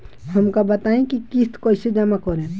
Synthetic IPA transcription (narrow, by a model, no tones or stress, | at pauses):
həmkabət̪aẽkikist̪koːised͡ʒəmakoɾẽ